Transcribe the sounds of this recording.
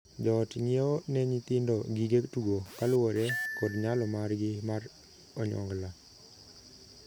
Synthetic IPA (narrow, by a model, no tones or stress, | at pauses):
d͡ʒɔtɲieɔnɛɲit̪ɪndɔɡiɡektuɡokalʊwɔɾɛkɔdɲalɔmarɡɪmar | ɔɲɔ̰ŋɡla